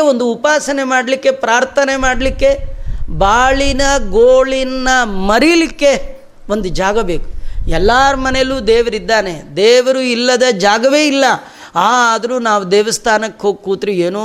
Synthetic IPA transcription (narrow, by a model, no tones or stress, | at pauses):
o̞nd̪uːpaːsɐne̞maːɽlikːe̞pɾaːɾt̪ʰɐne̞maːɽɐlikːe̞baːɭinɐɡoːɭinnɐmɐɾilikːe | o̞nd̪ud͡ʒaːɡɐbeːku̥ɛlːaːɾmɐnejluːd̪ɛːʋɐɾid̪ːaːned̪ɛːʋɐɾuilːɐd̪ɐd͡ʒaːɡɐʋeːilːɐ | aːd̪ɐɾuːnaːʋud̪ɛːʋɐst̪ʰaːnɐkːeɦo̞ːɡ̚kuːt̪ɾieːnu